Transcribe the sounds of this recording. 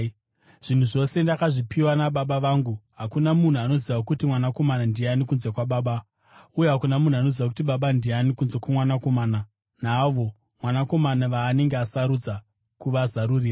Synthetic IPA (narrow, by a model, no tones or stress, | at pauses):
ʐ̥in̤uʐo̞se̞ndakaʐipʰiwanaɓaɓaʋaːŋɡuɦakunamun̤uano̞ziʋakutimwanako̞manandianikunze̞kwaɓaːɓa | ujeɦakunamun̤uano̞ziʋak̬u̥tiɓaɓandianikunzekwamwanako̞maːna | naːʋo̞ | mwanako̞manaʋaːne̞ŋɡeasaɾud͡za | kuʋazaɾuriːra